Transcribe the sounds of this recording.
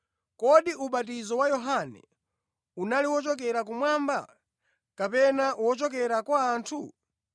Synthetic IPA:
kɔɗiuɓat̬izɔwajɔɦanɛ̰ | unaliwɔt͡ʃɔk̬ɛɾak̬umwamba̰ | kapɛnawɔt͡ʃɔk̬ɛɾakwaːntʰu

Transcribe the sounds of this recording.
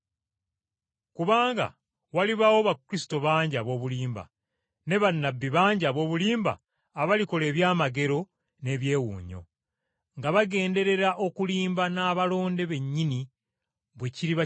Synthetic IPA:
kuβaːŋɡa̰ | waliβawo̞βakɾisi̥to̞βaːɲɟaβo̞ːβuliːmba̰ | ne̞βanːabːiβaːɲɟaβo̞ːβuliːmba̰ː | βaliko̞le̞ːβjaːmaɡe̞ɾo̞ | ne̞βje̞ːwṵːɲo̞̰ | ŋɡaβaɡe̞ːnde̞ɾe̞ɾaʔo̞kuliːmbanaːβalo̞ːnde̞βe̞ɲːini | βwe̞ciɾiβa

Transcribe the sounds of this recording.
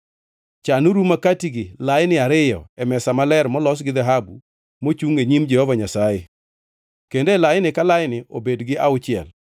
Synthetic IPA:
t͡ʃanuɾumakatiɡɪlajnɪaɾɪjɔ̰ɛmɛsamalɛɾmɔlɔs̬ɡɪd̪ɛɦabṵ | mot͡ʃuŋeɲimd͡ʒɛhɔvaɲasajɪ | kendelajnɪkalajɪnɪʔobedɡɪʔaʊt͡ʃɪɛ̰l

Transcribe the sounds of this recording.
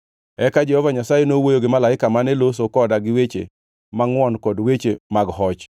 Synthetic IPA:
ɛkad͡ʒɛhɔvaɲasajenowojoɡɪmalaɪkamanɛlos̬okɔdaɡɪwet͡ʃḛ | maŋwɔnkɔdwet͡ʃemaɡɦɔt͡ʃ

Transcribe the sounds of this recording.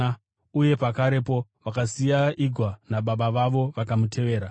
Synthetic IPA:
uje̞pakaɾe̞po̞ʋakasijaiɡʱwanaɓaɓaʋaʋo̞ʋakamute̞ʋe̞ːɾa

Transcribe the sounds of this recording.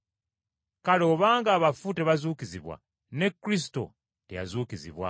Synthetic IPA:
kalo̞ːβaːŋɡaːβafute̞βazuːkiziβwa̰ | ne̞kːɾis̬i̥to̞̰ | te̞̰ja̰zuːkizḭβwa̰

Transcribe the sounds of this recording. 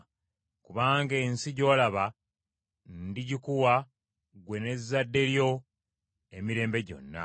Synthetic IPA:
kuβaːŋɡe̞ːnsiɟo̞ːlaβa | nndiɟikuwa | ɡwe̞ne̞zːadːe̞ɾjo̞ | e̞miɾe̞ːmbe̞ɟo̞̰nːa̰

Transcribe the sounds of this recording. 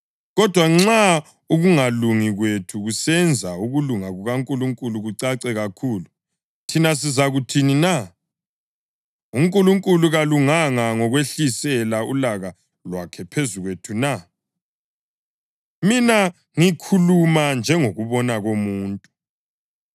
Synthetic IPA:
ɣɔd̥ʱwaŋ͡ǁa | uɣuŋaluŋiɣwetʰuɣusɛnd͡zʱauɣuluŋaɣuɣaŋkʼuluŋkʼuluɣuǀaǀɛɣakʰuːlu | tʰinas̬izaɣutʰinina | uŋkʼuluŋkʼuluɣaluŋaŋaŋɔɣweɬisɛlaulaɣa | lwa̰kʰɛpʰezuɣwetʰuna | mina | ŋikʰulumand͡ʒʱɛŋoɣuβɔnaɣomuːntʼu

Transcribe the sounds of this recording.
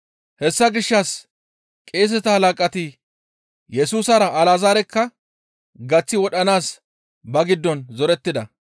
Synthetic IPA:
hɛsːɐɡɪʃːɐs | kʼeːs̬ɛt̪ɐhɐlaːkʼɐt̪i | jɛsuːsɐɾɐʔːlaːzaːɾɛkːɐ | ɡɐt͡sːɪwɔɗɐnaːs | bɐɡɪd̪ːɔnzɔɾɛt̪ːɪd̪ɐ

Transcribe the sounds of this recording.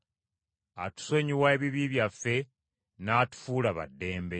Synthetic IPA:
a̰tu̥so̞ɲiwaeβiβiβjafːe̞ | naːtu̥fuːlaβa̰dːe̞ːmbe̞

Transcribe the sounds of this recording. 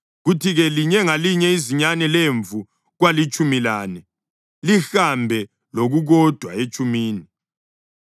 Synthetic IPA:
ɣutʰiɣɛliɲɛŋaliɲɛiziɲanɛleɱvu | ɣwalit͡ʃʼumilaːnɛ | lixambʱɛ | loɣuɣɔd̥ʱwaet͡ʃʼumiːni

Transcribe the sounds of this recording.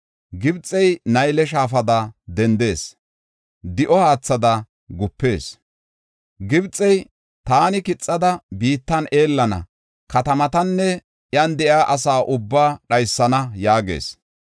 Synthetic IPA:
ɡɪbt͡sʼːɛjnɐjlɛʃ̬aːfɐd̪ɐd̪ɛnd̪e̞ːs | d̪ɪʔɔhaːt͡sːɐd̪ɐ | ɡʊpːe̞ːs | ɡɪbt͡sʼːɛj | t̪aːnɪkɪt͡sʼːɐd̪ɐbiːt̪ːɐne̞ːlːɐnɐ̰ | kɐt̪ɐmɐt̪ɐnːɛ | ʔjɐnd̪ɛʔjaːʔɐsaːʔʊbːaːɗɐjsːɐnɐjaːɡe̞̰ːs

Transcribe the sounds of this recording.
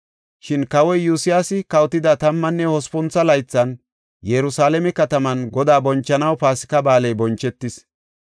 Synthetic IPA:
ʃɪnkɐwɔjjusɪjaːsɪkɐwt̪ːɪd̪ɐt̪ɐmːɐnːɛhɔspʊnt͡sɐlɐjt͡sːɐn | jɛɾʊsaːlɛmɛkɐt̪ɐmɐnɡɔd̪aːbɔnt͡ʃːɐnɐwpaːsɪ̥kɐbaːlɛjbɔnt͡ʃːɛt̪ːɪs

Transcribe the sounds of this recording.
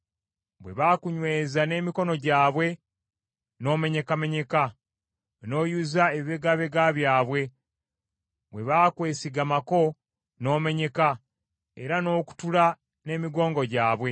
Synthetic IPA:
βwe̞̰βaːkuɲwe̞ːzane̞ːmiko̞no̞ɟaːβwe̞ | no̞ːme̞ɲe̞kame̞ɲe̞ka | no̞ːjuzaeβiβe̞ɡaβe̞ɡaβjaːβwe̞ | βwe̞βaːkwe̞ːsiɡamako̞ | no̞ːme̞ɲe̞ka | eɾano̞ːku̥tula | ne̞ːmiɡo̞ːŋɡo̞ɟaːβwe̞

